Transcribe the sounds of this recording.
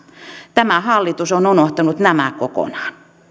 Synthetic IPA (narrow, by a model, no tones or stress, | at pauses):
t̪æmæhɑlːit̪usonunoht̪ɑnut̪næmækoko̰nɑ̥ːn